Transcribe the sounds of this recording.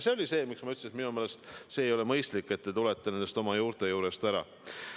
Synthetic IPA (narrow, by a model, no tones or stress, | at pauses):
se̞o̞lʲise̞ːmiksmɑyt̪sesminumeːle̞st̪se̞ːjo̞lemɤjst̪likːe̞t̪ːet̪ulet̪ːene̞nd̪est̪o̞mɑjuːɾt̪e̞juːɾe̞st̪æɾɑ̰